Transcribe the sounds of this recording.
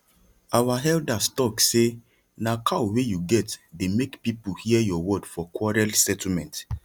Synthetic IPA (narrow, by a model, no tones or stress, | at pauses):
awaɦɛldastɔkse | nakʰawejuɡɛtdemekpipuhijɔwɔdfɔkʰwɔɹɛlsɛtl̩mɛ̃nt